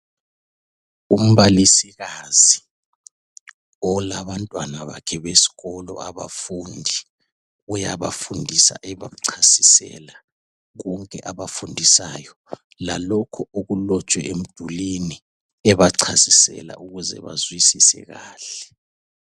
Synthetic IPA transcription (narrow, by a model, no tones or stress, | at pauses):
um̩βalisiɣazi | ɔlaβantʼwanaβa̰kʰɛβesi̥ɣɔlɔ̰aβa̰fundʱi | ujaβafundʱisa̰ʔɛβa̰ǀʰasisɛ̰la | ɣɔŋkʼɛʔaβafundʱisaːjɔ | la̰lɔkʰɔoɣulɔt͡ʃʼwɛʔem̩d̥ʱulini | ɛβaǀʰasisɛ̰la̰ʔuɣuzɛ̰βa̰zwisisɛ̰ɣaːɬɛ